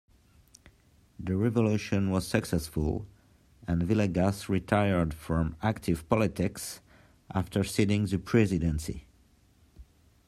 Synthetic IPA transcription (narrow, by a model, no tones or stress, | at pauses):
ðəɹɛvɔluʃɔ̃nwɔz̥sɨksɛsfulˠ | ə̃nvilaɡasɹitʰaɪə˞dfɹɔ̃maktʰɪv̥pɔlɪtʰɪks | ʔaftʰə˞siɾɪ̃ŋðɨpʰɹ̥ɛzɪdɛ̃nsḭ